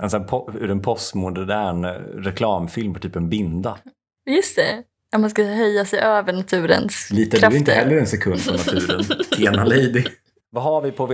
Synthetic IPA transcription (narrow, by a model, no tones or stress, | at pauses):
ɛnsapʰɔʉ̰ːɾɛnpʰɔst̪mʊd̪d̪æːɳɾɛkʰlɑːmfɪlmfɔt̪yːpɛnbɪnd̪a | jɵst̪ɛ | at̪mans̬kaɦœjːasɛjʔøːvəɳat̪ʰʉ̟ːɾə̰nsliːt̪ad̪ɾɵɪnt̪əɦɛlːəɾɛnsɛkʰɵnd̪pʰɔnat̪ʰʉ̟ːɾənt̪ʰeːnalejd̪ɪ | vaɦaɾvɪpʰɔv